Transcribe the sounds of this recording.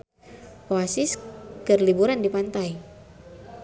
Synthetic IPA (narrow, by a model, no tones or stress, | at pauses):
oasiskɨrlibuɾandipant̪aj